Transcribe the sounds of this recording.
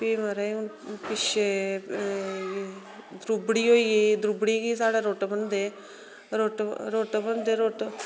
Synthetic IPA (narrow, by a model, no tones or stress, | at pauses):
pimɐɾajupiʃe | d̪ɾubɽioːijed̪ɾubɽiɡisaːɽaɾoːʈbɐnd̪e | ɾoːʈɾoːʈbɐnd̪eɾoːʈ